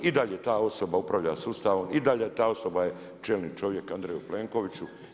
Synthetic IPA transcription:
id̪aʎet̪aːo̞so̞baupɾaʋʎasuːst̪aʋomid̪aʎet̪aːo̞so̞baje | t͡ʃelnit͡ʃo̞ʋje̞kand̪ɾejuple̞ːŋko̞ʋit͡ɕu

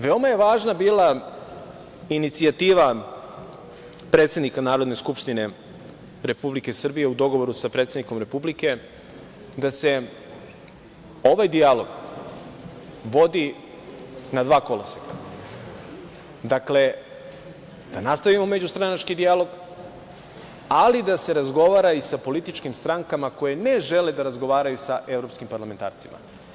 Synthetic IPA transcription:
ʋe̞o̞maje̞ʋaːʒnabiːla | init̪siat̪iːʋa | pɾet̪se̞d̪nikanaːɾo̞d̪ne̞skupʃt̪ine̞ | ɾe̞publike̞sr̩bije̞ud̪o̞ɡo̞ʋo̞ɾusapɾet̪se̞d̪niko̞mɾe̞publike̞ | d̪ase̞ | o̞ʋajd̪ijalo̞ɡ | ʋo̞d̪i | nad̪ʋaːko̞lasakḁ | d̪akle̞ | d̪̥anast̪aʋimo̞me̞d͡ʑust̪ɾanat͡ʃkid̪ijalo̞ɡ | alid̪ase̞ɾazɡo̞ʋaːɾaisapo̞lit̪it͡ʃkimst̪ɾaŋkamako̞jene̞ʒe̞le̞d̪aɾazɡo̞ʋaːɾajusaʔe̞vɾo̞pskimpaɾlame̞nt̪a̰ːɾt̪simʔa̰

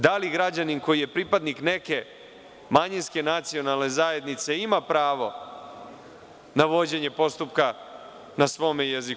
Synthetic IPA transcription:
d̪aliɡɾad͡ʑaninko̞jije̞pɾipad̪nikne̞ke̞ | maɲinskenat̪sio̞nalˠne̞zaje̞d̪nit̪se̞imapɾaːʋo̞ | naʋo̞d͡ʑe̞ɲe̞po̞st̪upka | nasʋo̞mejezik

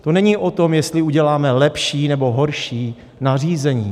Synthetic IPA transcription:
t̪onɛɲiːʔo̞t̪o̞mjɛst̪lɪuɟɛlaːmɛlɛpʃiːnɛbo̞ɦo̞ɾʃiː | nar̝iːzɛɲiː

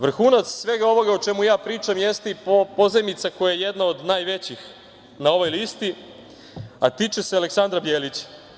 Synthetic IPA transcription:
ʋr̩xuːnat̪ssʋe̞ɡao̞ʋo̞ɡaot͡ʃe̞mujaːpɾiːt͡ʃamjest̪eippo̞zemit̪sako̞jajejed̪naod̪naːjʋe̞t͡ɕix | nao̞ʋo̞jliːst̪i | at̪iːt͡ʃe̞sealeksand̪ɾabjeːlit͡ɕḁ

